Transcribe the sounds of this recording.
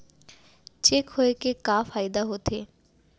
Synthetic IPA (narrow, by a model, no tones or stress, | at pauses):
t͡ɕekɦoekekafajd̪aɦot̪ʰe